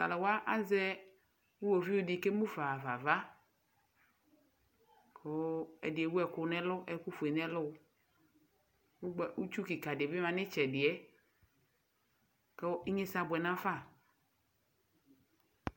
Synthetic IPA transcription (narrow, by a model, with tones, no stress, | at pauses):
ta̰˨la˨wa˦ʔa˦zɛ˦ | wu˦wo˨vi˦ʊ˦dɪ˨ke˦mũ˦fa˨va̰˨va˦ | kʰo˦ɛ̰˨dɪ˨e˨wu˦ɛ˨kʊ˨nɛ˦lʊ˦ʔɛ˨ku˦fu˨e˨nɛ̃˦lʊ˦ | wu˦ɡ͡bɛ˨ʔu˦t͡ʃu˦ki˨ka˨dɪ˨bɪ˦mã˨nɪ˦t͡ʃɛ˨dɪ˨ɛ˦ | kɛ˦i˦ɲe˦sa˦bʊ˨ɛ˨nã˦fa˦˨